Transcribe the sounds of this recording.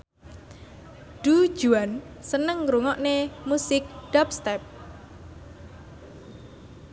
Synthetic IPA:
ɖ̥u̥d͡ʒ̥ṳan | sənəŋɾuŋɔʔnemusɪk̚ɖ̥ap̚st̪ɛp̚

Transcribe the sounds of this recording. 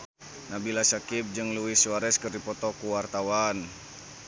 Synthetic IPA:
nabilasakip̚d͡ʒɨŋluwiswaɾɛskɨrdipɔt̪ɔkuwart̪awan

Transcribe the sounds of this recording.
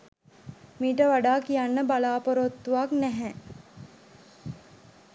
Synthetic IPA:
miːʈəʋaɖaːkijanːəbalaːpoɾot̪ːuʋaknæɦɛ

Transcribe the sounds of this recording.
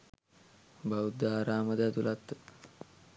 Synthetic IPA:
baud̪ːaːɾaːməd̪at̪ulat̪ː

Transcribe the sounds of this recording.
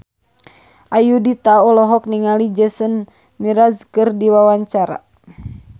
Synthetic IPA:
ʔajudit̪aɔlɔɦɔk̚niŋalid͡ʒəsən | miɾazkɨrdiwawaɲt͡ʃaɾa̰

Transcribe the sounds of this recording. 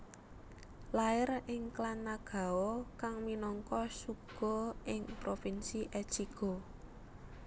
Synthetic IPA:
laɪrɪŋklanaɡ̥a̤okaŋminɔŋkɔsuɡ̥ɔ̤ʔɪŋpɾofinsiʔɛ̥t͡ʃiɡ̥ɔ̤

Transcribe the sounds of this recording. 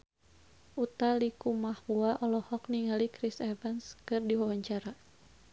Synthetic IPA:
ʔut̪alikumahwuaʔɔlɔhɔk̚niŋalikɾisɛvɛnskɨrdiwaɦɔɲt͡ʃaɾa

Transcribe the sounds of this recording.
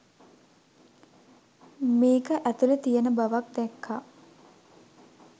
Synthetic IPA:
meːkəʔæt̪ulət̪ijənəbaʋak̚d̪ɛkʰːa

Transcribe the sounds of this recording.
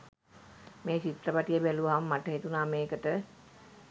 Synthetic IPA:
meːt͡ʃit̪rəpaʈijəbæluʋaɦamːaʈəɦet̪unaːmeːkəʈə

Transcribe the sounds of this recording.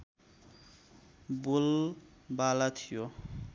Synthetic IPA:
bol | balat̪ʰijo

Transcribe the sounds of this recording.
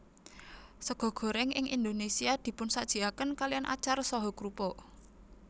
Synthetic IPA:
səɡ̥ɔ̤ɡ̥ɔ̤ɾɛŋʔɪŋind̪onesiad̪̥i̤pʊnsad̥ʒ̥i̤akənkalianʔa̰t͡ʃarsɔɦɔkɾupɔ

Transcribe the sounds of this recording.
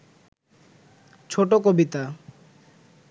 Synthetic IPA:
t͡ɕʰoʈokobit̪a

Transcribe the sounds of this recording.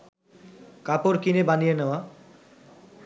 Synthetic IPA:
kapoɾkinebanijenea

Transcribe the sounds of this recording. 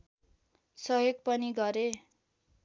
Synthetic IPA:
sʌɦjoɡ̚pʌniɡʌɾe

